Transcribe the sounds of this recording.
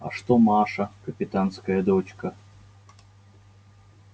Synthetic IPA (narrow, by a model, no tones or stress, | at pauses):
ɐ̰ʂt̪omaʂəkəpʲɪt̪anskəjəd̪ot͡ɕkə